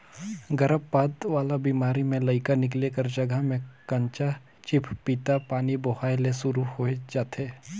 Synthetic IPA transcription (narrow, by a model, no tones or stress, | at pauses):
ɡəɾəbpaːd̪ʋaːlabiːmaːɾimẽlɐɪkanɪk̬lekəɾd͡ʒəɡʱəɦmẽkɐ̃ɲt͡ʃa | t͡ʃɪpʰpit̪apaːniboɦaːjlesʊɾuhoːed͡ʒaːt̪eː